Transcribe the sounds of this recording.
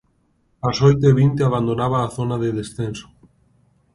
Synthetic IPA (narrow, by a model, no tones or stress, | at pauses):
asojt̪eβint̪eaβ̞and̪onaβaːθonaðeðesθenso̥